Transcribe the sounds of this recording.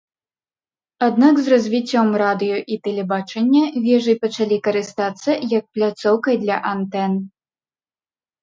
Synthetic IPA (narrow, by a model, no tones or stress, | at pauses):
ad̪nakzrɐzʲvʲit͡sʲːɔmrad̪ɨjɔʔit̪ɛlʲɛbat͡ʂɐnʲːɐvʲɛʐɨjpɐt͡ʂalʲikɐɾɨst̪at̪sːɐjɐk̚plʲat̪sɔwkɐjd̪lʲɐʔant̪ɛn